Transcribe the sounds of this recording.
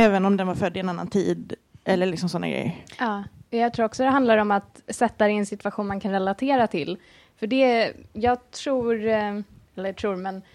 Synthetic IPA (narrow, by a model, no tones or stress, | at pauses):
ɛːvənɔmd̪ɛnvaɾfœd̪ːɪɛnanːa̰nt̪ʰiːd̪ | ʔɛlːəɭɪksɔmsɔnːaɡɾɛ̰jə̰ɾɑːɛjɑɡt̪ʰɾuːɾɔksɔd̪ɛɦand̪laɾɔmat̪sɛt̪ːaɾɛɛnsɪt̪ɵvaɧuːnmankʰanɾɛlat̪ʰeːɾat̪ʰɪl | fœɖɛjɑːɡt̪ʰɾuːɾɛlːət̪ʰɾuːɾmɛn